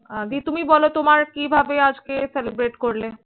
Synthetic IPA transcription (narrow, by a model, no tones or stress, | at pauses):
d̪it̪umibɔlot̪omaɾkibʱabead͡ʑkeselebɾeʈkoɾle